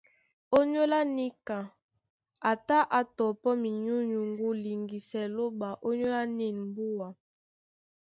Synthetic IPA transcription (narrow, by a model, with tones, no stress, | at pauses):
o˦ɲo˦la˦ni˦ka˨ | a˨ta˦ʔa˨tɔ˨pɔ˦mi˨ɲu˦ɲu˨ŋɡu˦li˨ŋɡi˨sɛ˨lo˦ba˨ʔo˦ɲo˦la˦ni˦˨m˦bu˦wa˨